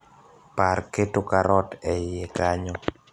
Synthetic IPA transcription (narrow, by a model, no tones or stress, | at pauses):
parketokaɾɔtɛjekaɲɔ